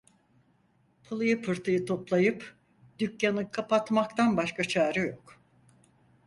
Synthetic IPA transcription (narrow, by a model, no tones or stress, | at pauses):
pʰɯlˠɯjɯpʰɯɾt̪ʰɯjɯt̪ʰo̞plˠajɯp | d̪̥ycjanɯkʰapat̪makt̪ʰanbaʃkat͡ʃʰaːɾɯjo̞k